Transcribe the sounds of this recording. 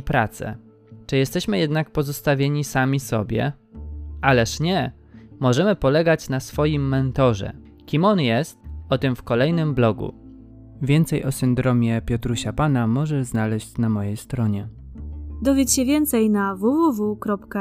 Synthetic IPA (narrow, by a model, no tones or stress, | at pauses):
pɾat̪sɛ̰ | t͡ʂɘjɛst̪ɛɕmɘjɛd̪nak̚pɔzɔst̪avʲjeɲisamʲisɔ̰bʲjɛ̰ | ʔalɛʂɲɛ | mɔʐɛmɘpɔlɛɡat͡ɕnasfɔjimːɛnt̪ɔʐɛ̰ | kʲimɔnjɛst̪ɔt̪ɘmfkɔlɛjnɘmblɔɡṵ | vʲjɛnt̪sɛjɔsɘnd̪ɾɔmʲjɛpʲjɔt̪ɾuɕapanamɔʐɛznalɛɕt͡ɕnamɔjejst̪ɾɔɲɛ | d̪ɔvʲet͡ɕɕɛvʲjɛnt̪sɛjnavuvuvukɾɔpka